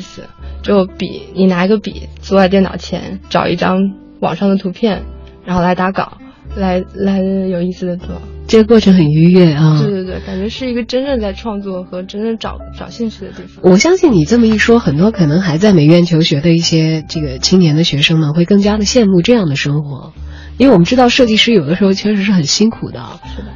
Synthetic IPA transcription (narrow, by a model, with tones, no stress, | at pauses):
sɹ̩˨˩t͡ɕjo˥˩˧pḭ˨˩˦ni˨˩na˧˥i˧˥ɡə˧pḭ˨˩˦t͡su˥˧wa˥˧ɪjɛ˥˩nɑ̰˨˩ʊt͡ɕʰjɛ̰˧˥nʈ͡ʂɑ˨˩ʊʔḭ˥˩ʈ͡ʂɑ˥ŋ | wɑ̰˨˩ŋʂɑ˥˩ŋd̪ə˩t̪ʰu˧˥pʰjɛ˥˩nɻa˧˥xo˥˩la˧˥ɪt̪a˧˥kɑ̰˨˩˦ʊ | la˧˥ɪla˧˥ɪjo˨˩ʊi˥˩sɹ̩˩d̪ə˩t͡swɔ̰˥˩ʈ͡ʂɤ˥˩ɡə˩kwɔ˥˩ʈ͡ʂʰɤ˧˥ŋxə˨˩ni˥ɥɛ˥˩at̪we˥˧t̪we˥˧t̪we˥˩ka˨˩nt͡ɕɥɛ˧˥ʂɻ̩˥˩i˧˥ɡə˧ʈ͡ʂə˥nɻə˥˧nt͡sa˥˧ɪʈ͡ʂʰwɑ˥˧ŋt͡swɔ˥˩xɤ˧˥ʈ͡ʂə˥nɻə˥˩nʈ͡ʂɑ̰˨˩˦ʊʈ͡ʂɑ˨˩ʊɕi˥˧ŋt͡ɕʰy˥˩d̪ə˨t̪i˥˩fɑ˨˩wɔ˨˩ɕjɑ˥ŋɕi˥˩nni˨˩t͡sɤ˥˩mə˩i˥˩ʂwɔ˥xə˨˩nt̪̬wɔ˥kʰɤ˨˩nɤ˧˥ŋxa˧˥ɪt͡sa˥˩ɪme˨˩ɪɥɛ˥˩nt͡ɕʰjo˧˥ʊɕɥɛ˧˥d̪ə˧i˥˩ɕjɛ˥ʈ͡ʂɤ˥˩ɡə˩t͡ɕʰi˥ŋnjɛ˧˥nd̪ə˧ɕɥɛ˧˥ʂɤ˥ŋmə˨xwe˥˧ɪkɤ˥˩ŋt͡ɕja˥d̪ə˨ɕjɛ˥˧nmu˥˧ʈ͡ʂɤ˥˧jɑ˥˩ŋd̪ə˩ʂɤ˥ŋxwɔ˧˥ | i˥we˥˩ɪwɔ˨˩m˦ʈ͡ʂɻ̩˥t̪ɑ˥˧ʊʂɤ˥˧t͡ɕi˥˧ʂɻ̩˥˩jo˨˩ʊd̪ə˦ʂɻ̩˧˥xo˥˧t͡ɕʰɥɛ˥˩ʂɻ̩˧˥ʂɻ̩˥˩xə˨˩nɕi˥nkʰṵ˨˩d̪ə̰˦˧ʂɻ̩˥˩